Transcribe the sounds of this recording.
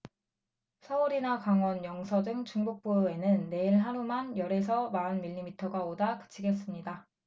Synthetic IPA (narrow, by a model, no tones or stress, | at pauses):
sʰʌuɾinakaŋwʌnjʌŋsʰʌdɯŋt͡ɕuŋbok̚p͈ue̞nɯnːe̞iɭɦaɾumanjʌɾe̞sʰʌmaɯnmiʎːimitʰʌɡaodakɯ̥t͡ɕʰiɡe̞s͈ɯmɲida